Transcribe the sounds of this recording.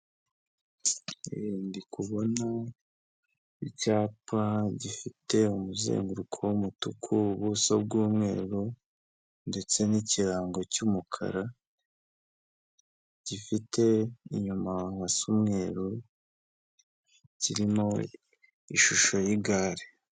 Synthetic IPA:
iɾiːndikʰuβo̞na | icaːpaɟifite̞umuzḛːŋɡuɾukʰowomutukʰuβusob̚ɡuːmŋe̞̰ːɾu | nde̞t͡se̞niciɾaːŋɡo̞cumukʰa̰ɾa | ɟ̥ifite̞iɲumaβasumŋe̞ːɾu | ciɾimo̞ | ḭʃuʃo̞jiɡaːɾe

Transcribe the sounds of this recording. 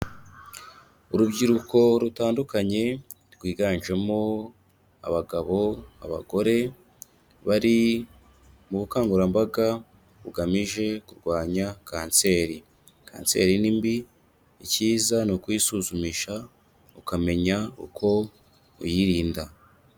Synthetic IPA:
uɾubɟiɾuko̞ɾutaːndukaɲe̞ | ɡwiːɡaːnʒe̞mo | a̰βaɡaβo̞a̰βa̰ɡo̞ɾe̞ | βaɾi | muβukaːŋɡuɾambaɡa | uɡamiʒe̞kuɾɡwaːɲakaːnse̞ɾi | kʰa̰ːnse̞̰ːɾinimbi | iciːzanokwisuzumiʃa | ukame̞ɲaṵkʰo̞ | ṵjiɾiːnda

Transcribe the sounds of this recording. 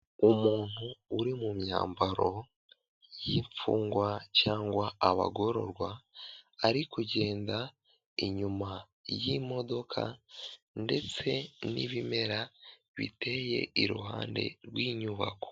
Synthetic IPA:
umuːn̥huːɾimumja̰ːmbaɾo̞ | jiːɱfuːŋɡwacaːŋɡwaaβa̰ɡo̞ɾo̞̰ɾɡwa | aɾikuɟe̞ːnda | iɲuma | jimo̞do̞kʰa̰ | nde̞t͡se̞nḭβime̞ɾa | βḭte̞je̞̰iɾṵɦa̰ːnde̞̰ɾwiːɲuβa̰ko̥

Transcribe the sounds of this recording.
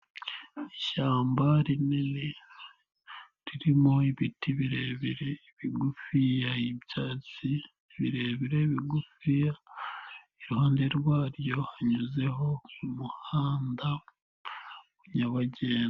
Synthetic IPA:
iʃaːmbaɾinene | ɾiɾimo̞iβitiβiɾeβiɾeiβiɡufijaibjaːt͡si | βiɾe̞βiɾe̞βiɡufija | iɾuhaːnde̞ɾwaːɾjo̞haɲuze̞ɦo̞umuhaːnda | uɲaβaɟeːn

